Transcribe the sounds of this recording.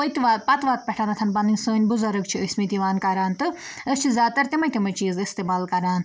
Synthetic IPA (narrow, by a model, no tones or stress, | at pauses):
ojt̪iʋaːt̪̚pɐt̪ʋaːt̪̚pʲɛʈʰanɐt̪ʰɐnpɐninʲsoːnʲbuzɐɾɨkt͡ʃʰiəsʲmit̪iʋaːnkɐɾaːnt̪ɨəst͡ʃʰizʲaːt̪ɐɾt̪imɐt̪ʲimɐt͡ʃiːzist̪eːmaːlkɐɾaːn